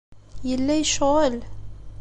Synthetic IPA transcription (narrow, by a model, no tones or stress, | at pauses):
jəlːæjʃʁəl